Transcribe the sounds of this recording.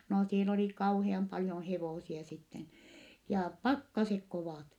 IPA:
no siel oli kɑuheɑm pɑljon heʋoˑsiɑ sitːen jɑː pɑkːɑsek koʋɑˑt

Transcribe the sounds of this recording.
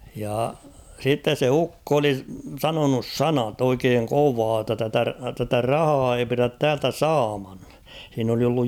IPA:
jɑ sitːes se ukːo oli sɑnonus sɑnɑt oikeːŋ koʋɑː tːɑ tætæ tætæ rɑhɑː ei piræt tæːltæ sɑːmɑn h̞iːn oli olːuj

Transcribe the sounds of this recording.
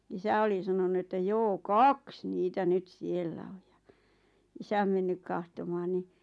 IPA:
isæ oli sɑnonu etːæ joː kɑks niːtæ nyt sielːæ oj j̊ɑ̥ isæm menːyk kɑhtomɑːn ni

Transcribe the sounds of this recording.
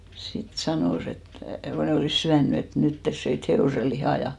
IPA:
sit sɑnoˑs et ko ne oliˑs syænːy et nyt tes søit heoˑse lihɑˑ jɑ

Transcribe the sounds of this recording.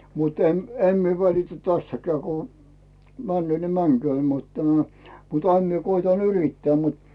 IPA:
mut em em mie ʋælitæ tæstækæː ku mænːy̆øː ni mæŋkyøː mut tæmæ̥ mut ɑim mie koitɑ yritːæː mut

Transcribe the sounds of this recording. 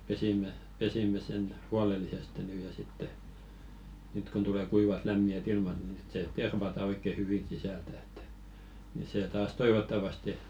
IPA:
pesimˑe pesimːe sen huɑlelːiseste nyː jɑ sitːe nyt kun tule kuiʋɑt læmːiæt ilmɑt ni sit se terʋɑtɑ oikːe hyʋi sisæltæ̥ e̥tːæ̥ ni seː tɑːs toiʋotːɑʋɑste

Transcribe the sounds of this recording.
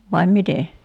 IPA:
ʋɑim mite

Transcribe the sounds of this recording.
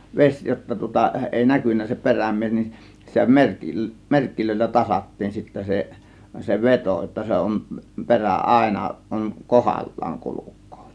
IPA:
ʋes jotːɑ tŭŏtɑ eˑi nækynːæ se peræmˑies nin sitæ mer merkːiløilːæ tɑsɑtːiːn sitːæ se se ʋetoˑ jotːɑ se on peræ ʔɑˑe̝nɑ on kohɑlːɑːŋ kulukˑo̥ː

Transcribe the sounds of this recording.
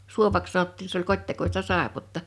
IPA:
suoʋɑks sɑnotːiː se olʲ kotʲtekostɑ sɑˑepotːɑ

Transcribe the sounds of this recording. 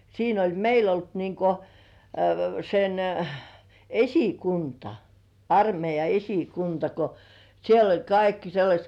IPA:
siːn olʲ meil olt niŋko sen esikuntɑ ɑrmeijɑ esikuntɑ ko siel olʲ kɑikːi selːɑsʲt

